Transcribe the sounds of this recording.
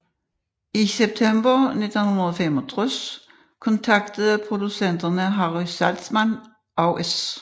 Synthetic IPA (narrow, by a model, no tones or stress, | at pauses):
iseb̥̚t͡sʰemb̥ɐne̝d̥n̩hunɐðˠɔfemɔt͡sʰʁɔs | kʰɔ̽nt͡sʰɑ̈ɡ̥d̥əð̩ˠpʰʁo̝d̥usen̰d̥ɐnəɦɑʁysæld̥smæn | ɒʊʔes